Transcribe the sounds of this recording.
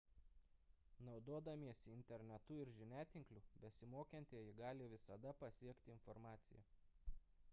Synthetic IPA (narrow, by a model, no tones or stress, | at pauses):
nɒʊd̪oːd̪ɐmʲiɛsʲɪɪnʲt̪ʲɛɾʲnʲɛt̪ʊɪɾʒʲɪnʲæːt̪ʲɪŋklʲubʲɛsʲɪmoːkʲɛnʲt̪ʲiɛjɪɡɑːlʲɪʋʲɪsɐd̪ɐpɐsʲiɛkt̪ʲɪɪnfɔɾmɑːt̪sʲɪjɛ̰